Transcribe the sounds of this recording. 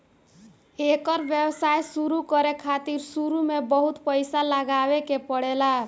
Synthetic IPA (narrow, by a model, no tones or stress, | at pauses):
ekəɾbjewsajsuɾukəɾekʰat̪iɾsuɾumebəɦut̪pəjsaləɡabekepəɽela